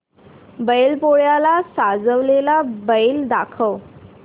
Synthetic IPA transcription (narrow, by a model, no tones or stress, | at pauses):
bəjlpoɭjalasad͡zəʋlelabəjld̪akʰəʋ